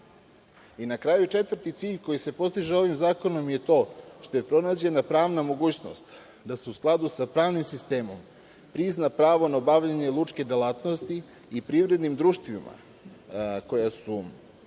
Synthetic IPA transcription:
inakɾaːjut͡ʃe̞t̪vər̩ɾt̪it̪siːʎko̞jise̞po̞st̪iʒeo̞ʋimzaːko̞no̞mje̞t̪o̞ːʃt̪o̞jepɾo̞nad͡ʑe̞napɾaːʋnamo̞ɡuːt͡ɕno̞̰st̪ | d̪ase̞usklˠad̪usapɾaːʋnimsist̪e̞ːmo̞̰m | pɾiznapɾaːʋo̞naobaʋʎaɲe̞lˠut͡ʃke̞d̪elaːt̪no̞st̪iː | pɾiʋɾe̞d̪nimd̪ɾuːʃt̪ʋima̰ | ko̞jasu

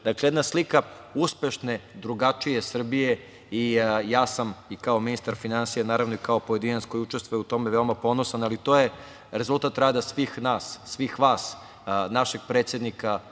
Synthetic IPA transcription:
d̪aklejed̪naslika | uspe̞ʃned̪ɾuɡat͡ʃije̞sr̩bije̞ | ijaːsamikao̞minist̪aɾfinansijanaːɾaʋnoikao̞po̞je̞d̪inat̪sko̞jiut͡ʃe̞st̪ʋojut̪o̞meʋe̞omapo̞nosanalit̪o̞je̞ | ɾe̞zult̪at̪ːɾaːd̪asʋixnaːsːʋixʋaːs | naʃe̞ɡ̚pɾet̪sje̞d̪nika

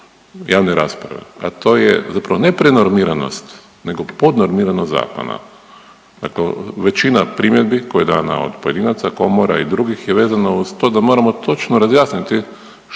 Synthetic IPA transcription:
jaːʋneɾa̰ːspɾa̰ʋḛa̰t̪o̞ːjḛzapɾaʋo̞ne̞pɾe̞noɾmiɾano̞̰st̪ | ne̞ɡo̞po̞d̪noɾmiːɾanoza̰ːko̰na̰ | d̪̥a̰kleʋe̞t͡ʃinapɾimje̞d̪bikojed̪aːna̰o̰d̪poje̞d̪iːnat̪sako̞moɾa̰id̪ɾuɡixjeʋe̞ːzanouz̥t̪od̪amo̞ɾamo̞t̪o̞t͡ʃnoɾazjaːsnit̪i

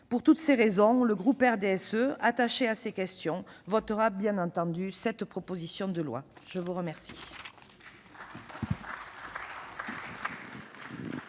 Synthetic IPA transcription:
puʁt̪ut̪seʁezɔ̃ləɡʁupɛʁd̪eɛsøat̪aʃeasekʲɛst̪jɔ̃vɔt̪əʁabjɛ̃nɑ̃t̪ɑ̃d̪ysɛt̪pχɔpozisjɔ̃d̪əlwa̰ʒ̥əvuʁəmɛʁsi

